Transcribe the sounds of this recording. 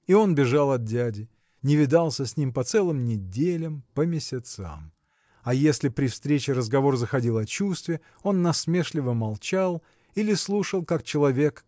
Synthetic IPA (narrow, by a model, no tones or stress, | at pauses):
io̞nbʲɪʐalˠɐt̪̚dʲædʲɪ | nʲɪvʲɪd̪alˠsʲəsʲnʲimpɐt̪sɛlˠɨmnʲɪdʲelʲəmpəmʲɪsʲɪt̪sa̰m | ɐjesʲlʲɪpɾʲɪfst̪ɾʲet͡ɕɪɾəzɡɐvo̞rzəxɐdʲilˠɐt͡ɕust̪vʲɪ | o̞nːɐsmʲe̞ʂlʲɪvəmɐlˠt͡ɕalˠ | ilʲɪslˠuʂəlˠkak̚t͡ɕɪlˠɐvʲe̞k